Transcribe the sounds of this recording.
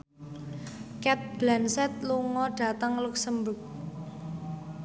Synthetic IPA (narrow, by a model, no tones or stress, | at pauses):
kɛt̪̚b̥lansɛt̪̚luŋɔɖ̥a̤t̪əŋluksəmbʊk̚